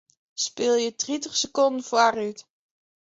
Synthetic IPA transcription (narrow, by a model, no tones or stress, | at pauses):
spɪlˠjədritəχsəkɔndənfaryt